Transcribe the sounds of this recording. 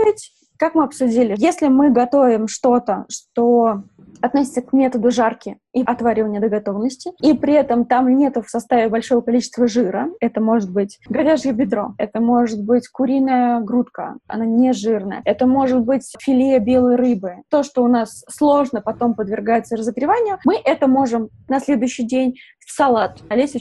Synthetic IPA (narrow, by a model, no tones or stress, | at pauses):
ɪtʲ | kakmɨɐpsʊdʲilʲɪjesʲlʲɪmɨɡɐt̪o̞vʲɪmʂt̪o̞t̪əʂt̪o̞ | ɐt̪nosʲɪ̥t̪səkmʲe̞t̪əd̪ʊʐarkʲɪ | iɐt̪vaɾʲɪvənʲɪəd̪əɡɐt̪o̞vnəsʲtʲɪipɾʲɪɛt̪əmt̪amnʲe̞t̪ʊfsɐst̪avʲɪbɐlʲʂo̞vəkɐlʲit͡ɕɪ̥st̪vəʐɨɾəɛt̪əmo̞ʐɨt̪̚bɨtʲɡɐvʲaʐəbʲɪd̪ɾo̞̰ɛt̪əmo̞ʐɨt̪̚bɨtʲkʊɾʲijnəjəɡɾut̪kə̰ɐ̰nanʲeʐɨrnə̰jə̰ɛt̪əmo̞ʐɨt̪̚bɨtʲfʲɪlʲijəbʲe̞lˠəjɾɨbɨt̪o̞ʂt̪o̞ʊnasːlˠo̞ʐnəpɐt̪o̞mpəd̪vʲɪrɡajɪt̪səɾəzəɡɾʲɪvanʲɪjʊmɨʔɛt̪əmo̞ʐɨm | nɐsʲlʲed̪ʊjʏɕːɪjdʲenʲ | sɐlˠat̪ɐlʲesʲ